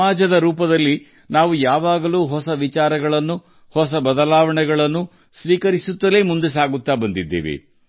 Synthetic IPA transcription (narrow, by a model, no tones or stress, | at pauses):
aːd͡ʒɐd̪ɐɾuːpɐd̪ɐlːi | naːʋujaːʋaːɡɐluːɦɔsɐʋit͡ʃaːɾɐɡɐɭɐnːu | hɔsɐbɐd̪ɐlaːʋɐɳɛɡɐɭɐnːu | sʋiːkɐɾisut̪ːɐle̞ːmund̪es̬aːɡut̪ːaːbɐnd̪id̪ːḛːʋḛ